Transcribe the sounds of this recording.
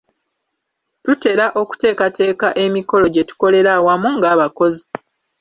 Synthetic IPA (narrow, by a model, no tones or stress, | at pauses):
tute̞ɾaʔo̞ku̥te̞ːkate̞ːkaʔe̞miko̞lo̞ɟe̞tu̥ko̞le̞ɾawamuŋɡaːβako̞zi